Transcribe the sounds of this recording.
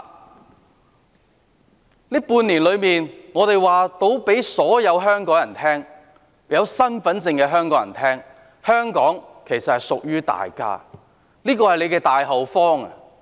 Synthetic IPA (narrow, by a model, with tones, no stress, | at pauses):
niː˥puː˧niː˨˩nlɵ˨˧ɥmiː˨nŋɔː˨˧t̪e˨jwaː˨t̪o˨˧˥wpe˨˥jsɔː˨˥jɐ˨˧wɦœː˥ŋkɔː˨˥ŋjɐ˨˩nt̪ʰɛː˥ŋ | jɐ˨˧wsɐ˥nfɐ˨˥nt͡sɪ˧ŋkɛː˧ɦœː˥ŋkɔː˨˥jɐ˨˩nt̪ʰɛː˥ŋ | hœː˥ŋkɔː˨˥ŋkʰe˨˩jsɐ˨t̚hɐ˨jsʊ˨k̚jyː˥t̪a̰ː˨jka̰ː˥ | liː˥kɔː˧hɐ˨jle˨˧jkɛː˧t̪aː˨jɦɐ˨˩wfɔː˥ŋɐ̰˨